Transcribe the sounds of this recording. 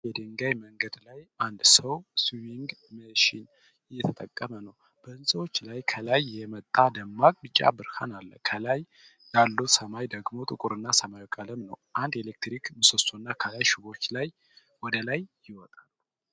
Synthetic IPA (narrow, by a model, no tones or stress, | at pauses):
jɛd̪əŋɡajməŋɡəd̪lajand̪səwsujiŋɡməʃin | ɪjːɛt̪ʰət̪ʼəkʼːəmənəw | b̥əɨnsʼəwot͡ʃːlajkʰəlajjɛmət̪ʼːad̪əmːakʼmɨt͡ʃʼːa̰bɨɾhanalːə̰kʰəlaj | jalːusəmajd̪əɡmo̞t̪ʼɨkʼuɾɨnːasəmajokʼaləmnə̰wʔand̪elek̚t̪ɾikmɨsosunːakʰəlajʃuβo̞t͡ʃːlaj | wɔd̪əlajːɪwɔt̪ʼal